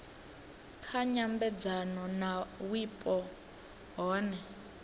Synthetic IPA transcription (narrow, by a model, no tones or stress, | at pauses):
kʰaɲambɛd͡zanɔnawipʼɔ | ɦɔːnɛ